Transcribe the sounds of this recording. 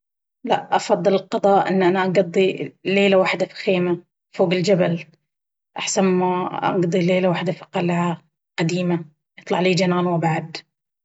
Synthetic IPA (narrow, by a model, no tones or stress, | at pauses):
laʔʔɑfɑðˤːɨlɪlqɑd̪ˤɑːʔʔɪ̰nːʔanaʔɑɡɑd̪ˤːileːlawaħd̪afi̥xeːma | foːɡɪld͡ʒabal | ʔaħsanmaʔɑ̰ɡd̪ˤileːlawaːħd̪afi̥qɑlʕa | qad̪iːma | jɨt̪ˤlɑʕliːd͡ʒanaːnwɪbaʕad̪